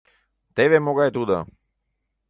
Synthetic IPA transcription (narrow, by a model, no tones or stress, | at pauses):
t̪eβemoɡaet̪ud̪a̰